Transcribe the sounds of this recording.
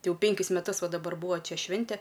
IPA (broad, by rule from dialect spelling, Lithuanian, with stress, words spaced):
tʲɪ ˈjɛʊ ˈpʲɛŋʲkʲɪs mʲɛˈtʊs ˈʋɐ dɐˈbɐr ˈbuːɐ ˈt͡ʃʲɛ ˈʃʲʋʲɪnʲtʲɛ